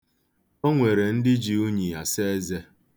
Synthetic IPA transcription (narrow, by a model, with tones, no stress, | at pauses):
o˦ŋʷe˨ɾe˨n̩˦dɪ˦d͡ʒi˨u˦ɲi˨ja˨se˦e˦ze˦